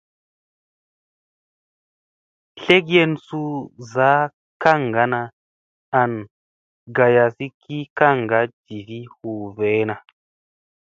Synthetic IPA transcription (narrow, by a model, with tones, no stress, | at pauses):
ɬe˦k̬je˦nsu˦za˨˦ | ka˦˨ŋɡa˨˦na˧ | a˨n | ɡa˨ja˨si˦kʰi˦ka˦˨ŋɡa˨˦d͡ʒi˨fi˦hu˨ve˨˦na˨